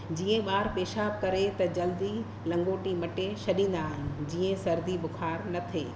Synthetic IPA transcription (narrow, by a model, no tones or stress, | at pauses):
d͡ʑiːẽɓaːɾpeːʃaːb̚kɐɾet̪ɐd͡ʑɐld̪i | lɐ̃ŋɡoːʈimɐʈeʃɐɗĩːn̆d̪aːɦɪnnɪ̆d͡ʑiːẽsɐɾd̪iɓʊxʰaːɾnɐt̪ʰeː